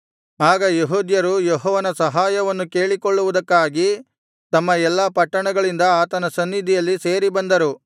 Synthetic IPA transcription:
aːɡɐjeɦuːd̪jɐɾujɔɦɔːʋɐnɐsɐɦaːjɐʋɐnːuke̞ːɭikoɭːuʋud̪ɐkːaːɡi | t̪ɐmːɐɛlːɐpɐʈːɐɳɐɡɐɭind̪ɐaːt̪ɐnɐsɐnːid̪ʱijɐlːise̞ːɾibɐnd̪ɐɾu

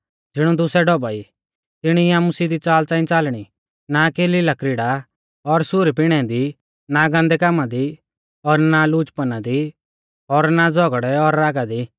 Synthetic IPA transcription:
d͡zɪɽ̃ud̪ʊsɛɖɔbai | t̪ɪɽ̃iaːmʊsid̪it͡saːlt͡sãːɪ̃t͡saːlɽ̃i | nakeːlilakɾɪɽa | ɔɾsʊɾip̬ɪɽ̃ɛd̪i | naɡãnd̪ɛkamad̪i | ɔɾnaluːt͡ʃpənad̪i | ɔɾnad͡zɔɡɽɛɔɾːaːɡad̪i

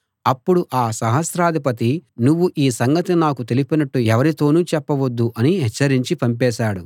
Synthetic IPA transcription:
ɐpːuɽuʔaːsɐɦɐsɾaːd̪ʱipɐt̪inuʋːuʔiːsɐŋɡɐt̪inaːkut̪elipinɐʈːuɛʋɐɾit̪o̞ːnuːt͡ʃɛpːɐʋod̪ːuʔɐniɦɛt͡ʃːɐɾiɲt͡ʃipɐmpɛːʃaːɽu

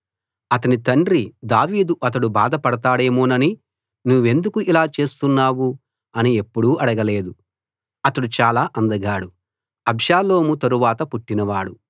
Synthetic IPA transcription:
ɐt̪ɐnit̪ɐɳɖɾid̪aːʋiːd̪uʔɐt̪̬ɐɽubaːd̪ɐpɐɽɐt̪aːɽe̞ːmoːnɐni | nuʋːe̞nd̪ukuʔilaːt͡ʃe̞ːst̪unːaːwu | ɐnie̞pːuɽuːʔɐɽɐɡɐle̞ːd̪u | ɐt̪ɐɽut͡ʃaːlaːʔɐnd̪ɐɡaːɽu | ɐbʃaːlo̞ːmut̪ɐɾuʋaːt̪ɐpuʈːinɐʋaːɽu

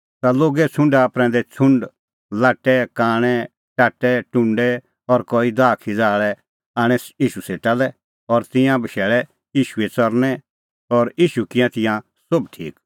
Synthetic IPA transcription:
t̪aloːɡɛt͡sʰʊ̃ɳɖapɾɛ̃nd̪ɛt͡sʰʊ̃ɳɖ | laːʈːɛkaːɽ̃ɛ | ʈaːʈːɛʈʊ̃ɳɖɛ | ɔɾkɔid̪aːkʰid͡zaːɭɛ | aːɽ̃ɛiːʃuseːʈalɛ | ɔɾt̪ɪ̃jãbɐʃɛːɭɛ | iːʃuet͡sɔɾnɛ | ɔɾiːʃukɪjãt̪ɪ̃jã | sʊbʈʰḭːk

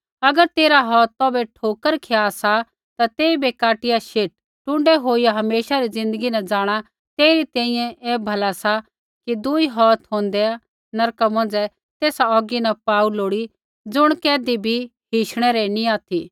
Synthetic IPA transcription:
ɐɡəɾt̪eːɾaɦɔːt̪ːɔːbɛʈʰoːkəɾkʰeasa | t̪at̪eːibekaːʈɪjaʃeːʈ̚ːʊ̃ɳɖɛɦoːijaɦɐmeːʃaɾid͡zɪ̃nd̪əɡinɐd͡zaːɽ̃a | t̪eːiɾit̪ɛ̃ːĩjɛ̃ʔɛːbʱɐlasa | kid̪ʊiɦɔːt̪ɦõːnd̪ɛa | nɐɾkamɐ̃nd͡zɛ | t̪eːsaɔːɡinɛpaːuloːɽi | d͡zʊɽ̃kɛːd̪ibʱiɦiːʃɽ̃ɛɾɛniaːt̪ʰi

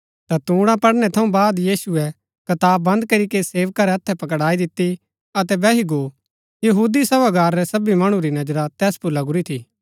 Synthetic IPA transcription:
t̪at̪ũːɽ̃ãpɐɽnɛt̪ʰɐũbaːd̪jiːsuɛ | kɐt̪aːbɐ̃nd̪kɐɾikeseːʋkaɾɛɐt̪ʰːɛpɐk̬ɽaːid̪ɪt̪ːi | ɐt̪ɛbɛːɦiɡoː | jɐɦuːd̪isɐʋaɡaːɾːɛsɐbimɐɽ̃ũɾinɐd͡ʒɾat̪ɛːspuɾlɐɡʊɾit̪ʰiː

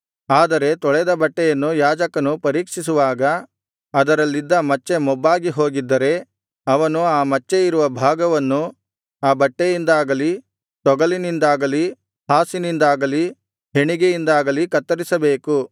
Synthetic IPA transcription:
aːd̪ɐɾe̞t̪ɔɭɛd̪ɐbɐʈːɛjɐnːujaːd͡ʒɐkɐnupɐɾiːkʂis̬uʋaːɡɐ | ɐd̪ɐɾɐlːid̪ːɐmɐt͡ʃːe̞mɔbːaːɡiɦo̞ːɡid̪ːɐɾe̞ | ɐʋɐnuaːmɐt͡ʃːeiɾuʋɐbʱaːɡɐʋɐnːu | aːbɐʈːejind̪aːɡɐli | t̪ɔɡɐlinind̪aːɡɐli | haːsinind̪aːɡɐli | ɦe̞ɳiɡejind̪aːɡɐlikɐt̪ːɐɾisɐbeːku

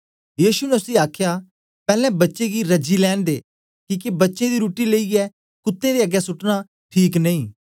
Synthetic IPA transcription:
jiːʃunɛʊsiaːkʰja | pɛːlɛ̃bɐtːʃeɡiɾɐd͡ʒilɛːñd̪eː | kiːkebɐtːʃẽd̪iɾuːʈileiɛ | kʊt̪ːẽd̪eɐɡːjɛsʊʈna | ʈʰiːknɐĩː

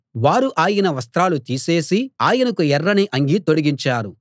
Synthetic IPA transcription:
ʋaːɾuʔaːjɐnɐʋɐs̬t̪ɾaːlut̪iːse̞ːsiaːjɐnɐkuɛrːɐniʔɐŋɡit̪oɽiɡiɲt͡ʃaːɾu

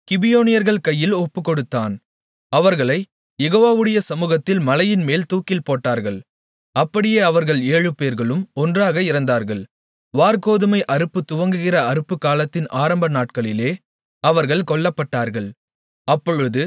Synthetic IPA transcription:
kɪbɪjoːnɪjɐɾɣɐɭkɐjːɪlɔpːɯkːɔɽɯt̪ːaːn | ɐʋɐɾɣɐɭɐɪ | jɛɣoːʋaːʋɯɽɐjɐsɐmuːɣɐt̪ːɪlmɐlɐjɪnmeːlt̪uːkɪlpoːʈːaːɾɣɐɭ | ɐpːɐɽɪjeːɐʋɐɾɣɐɭeːɻɯpeːɾɣɐɭɯmɔndraːɣɐɪɾɐnd̪aːɾɣɐɭ | ʋaːɾkoːðɯmɐɪʔɐɾɯpːɯt̪ʊʋɐŋɡɯɣɪrɐɐɾɯpːɯkːaːlɐt̪ːɪnʔaːɾɐmbɐnaːʈ̚kɐɭɪleː | ɐʋɐɾɣɐɭkɔɭːɐpːɐʈːaːɾɣɐɭ | ɐpːɔɻɯðɯ

